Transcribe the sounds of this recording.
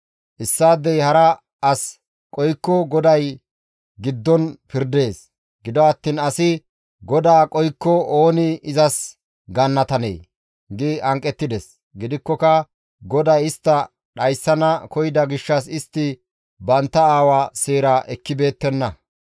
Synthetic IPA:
ʔɪsːaːd̪ːɛjhɐɾɐ | ɐs | kʼɔjkːɔɡɔd̪ɐj | ɡɪd̪ːɔnpɪɾd̪e̞ːs | ɡɪd̪ɔɐt̪ːiːnɐsɪ | ɡɔd̪aːkʼɔjkːɔo̞ːnɪɪzɐs | ɡɐnːɐt̪ɐnḛj | ɡɪʔɐŋkʼɛt̪ːɪd̪ɛs | ɡɪd̪ɪkːɔkɐ | ɡɔd̪ɐjɪst̪ːɐ | ɗɐjsːɐnɐkɔjd̪ɐɡɪʃːɐs̬ɪst̪ːɪ | bɐnt̪ːɐaːwaːseːɾaːʔɛkːɪbe̞ːt̪ːɛnːɐ

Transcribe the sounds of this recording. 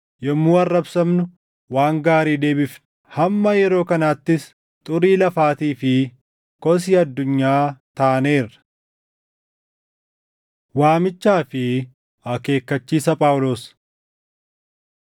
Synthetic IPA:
jɛmːuːɐrːɐbsɐmnʊ | waːŋɡaːɾiːd̪e̞ːbɪf | hɐmːɐjɛɾo̞ːkɐnaːt̪ːɪs | t̪ʼʊɾiːlɐfaːt̪iːfɪ | kɔs̬iːɐd̪ːʊɲːaːt̪aːne̞ːrɐ̥ | waːmɪt͡ʃːaːfɪ | ɐke̞ːkːɐt͡ʃːiːsɐpʼaːwloːs

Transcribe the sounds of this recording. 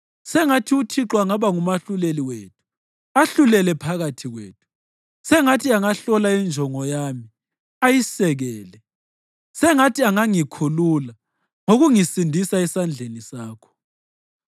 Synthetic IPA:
sɛŋatʰiutʰiǁwaŋaβaŋumaɬuleliweːtʰu̥ | aɬulɛlɛpʰaɣatʰiɣwḛːtʰu̥ | sɛŋatʰiaŋaɬɔlaind͡ʒʱɔŋɔjami | ajisɛɣɛːlɛ | sɛŋatʰiaŋaŋikʰulula | ŋoɣuŋisindʱisaɛsand͡ɮʱenisaːkʰɔ̥

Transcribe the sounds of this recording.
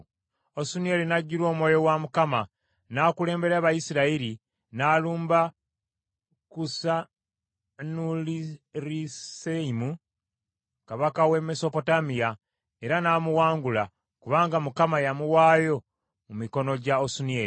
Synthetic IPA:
osunieɾinaɟːuɾo̞ːmwoːjo̞wamukama | nakule̞ːmbe̞ɾaβajisiɾaiɾi | naːluːmba | kusa | nuliɾiseimu | kaβakawe̞me̞so̞po̞tamija | e̞ɾanaːmuwaːŋɡula | kuβaːŋɡamukamajamuwaːjo̞ | mumiko̞no̞ɟaosuniei

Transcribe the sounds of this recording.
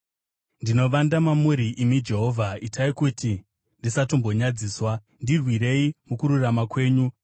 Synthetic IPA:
ndino̞ʋandamamuɾiʔimid͡ʒe̞ɦo̞vʱaitaikuti | ndisatombo̞ɲad͡ziːswa | ndirwiɾe̞imukuɾuramakwe̞ːɲu

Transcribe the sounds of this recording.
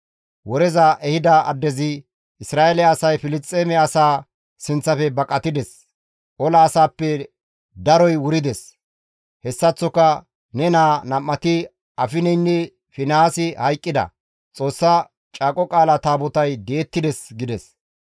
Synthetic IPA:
wɔɾɛzɐʔɛhɪd̪ɐɐ̰d̪ːɛzɪ | ɪsɾaːʔelɛɐsɐjfɪlɪst̪ʼːeːmɛɐsaː | sɪnt͡sːɐfɛbɐkʼɐt̪ɪd̪ɛs | ʔɔlɐːsaːpːɛ | d̪ɐɾɔjwʊɾɪd̪ɛs | hɛsːɐt͡sːɔkːɐ | nɛnaːnɐmːɐt̪ɪ | ɐfɪnɛnːɛ | fɪnaːsɪhɐjkʼːɪd̪ɐ̰ | t͡sʼo̞ːsːɐ | t͡ʃʼaːkʼɔkʼaːlɐt̪aːbɔt̪ɐjd̪e̞ːt̪ːɪd̪ɛsɡɪd̪ɛs

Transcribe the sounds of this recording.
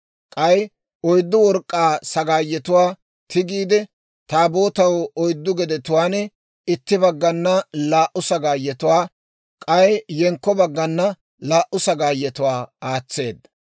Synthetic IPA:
kʼɐj | ɔjd̪ːʊwɔɾkʼːaːsɐɡaːjːɛt̪ʊwaː | t̪ɪɡiːd̪ɛ | t̪aːbo̞ːt̪ɐwɔjd̪ːʊɡɛd̪ɛt̪ʊwaːnɛ | ɪt̪ːɪbɐɡːɐnːɐlaːʔʊsɐɡaːjːɛt̪ʊwaː | kʼɐjjɛŋkːɔbɐɡːɐnːɐ | laːʔʊsɐɡaːjːɛt̪ʊwaːaːt͡sːe̞̰ːd̪ːɐ

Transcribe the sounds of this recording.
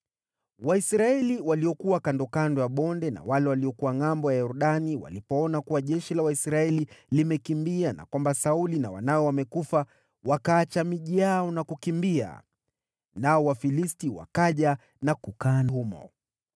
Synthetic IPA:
waisɾaɛliwaliɔkuwakandɔkandɔjaɓɔndɛna̰walɛwaliɔkuwaŋambɔjajɔɾuɗaniwa̰lipɔɔnakuwaʄɛʃilawaisɾaɛlilimɛkimbiana̰kwambasaulinawa̰naɔwamɛkufa | wakaːt͡ʃamiʄiaɔnakukimbia̰ | naɔwafilistiwa̰kaʄa | nakukaːnhumɔ̰

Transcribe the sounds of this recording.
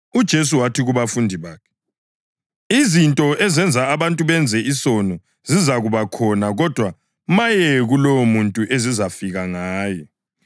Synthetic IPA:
ud̥ʒ̥ʱes̬uwatʰiɣuβafundʱiβaːkʰɛ̥ | izintʼɔʔɛzɛnd͡zʱaːβantʼuβɛnd͡zʱɛisɔnɔ | z̥izaɣuβakʰɔnaɣɔd̥ʱwa | majɛɣulɔwɔmuntʼuʔezizafiɣaŋaːjɔ

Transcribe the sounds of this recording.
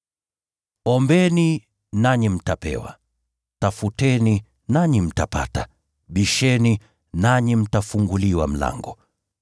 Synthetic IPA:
ɔmbɛni | naɲim̩tapɛ̰wa̰ | tafutɛni | naɲim̩tapa̰ta | ɓiʃɛni | naɲim̩tafuŋɡuliwa̰m̩la̰ŋɡɔ

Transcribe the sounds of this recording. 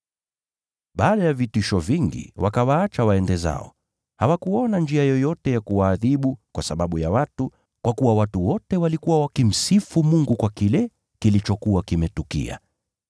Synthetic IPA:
ɓaːɗajavitiʃɔviŋɡḭwakawaat͡ʃawaɛndɛza̰ɔ̰ | hawakuɔnand͡ʒiajɔjɔtɛjakuwaːðiɓukwasaɓaɓuja̰watu | kwʔakuwawatuwɔtɛwalikuwawakim̩sifumuŋɡukwakilɛ | kilit͡ʃɔkuwakimɛtukḭa̰

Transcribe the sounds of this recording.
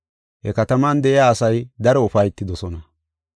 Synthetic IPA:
hɛkɐt̪ɐmand̪ɛʔɪjaːsɐjd̪ɐɾɔʊfɐjɪt̪ːɪd̪ɔsɔnɐ

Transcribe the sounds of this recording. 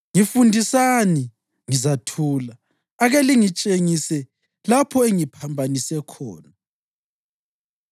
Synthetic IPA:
ŋifundʱisani | ŋizatʰuːlaː | ɣeliŋit͡ʃʼeŋisɛ | lapʰɔeŋipʰambʱanisɛkʰɔ̰ːna

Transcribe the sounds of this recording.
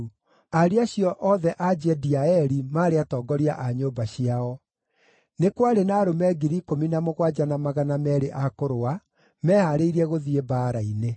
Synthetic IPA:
aɾiaɕjɔʔɔðɛʔad͡ʑɛdiaɛɾimaːɾeatɔːɡɔɾia̰ʔaɲobaɕiaɔ | nekwaɾenaɾomɛɡiɾikominamoɣwad͡ʑanamaɣanamɛɾeʔakoɾoa | mɛːhaɾeiɾiɛɣoðiebaːɾaine

